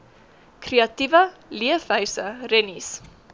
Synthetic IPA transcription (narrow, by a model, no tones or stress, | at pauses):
kreɐtivəliəfɦœɥsərɛnis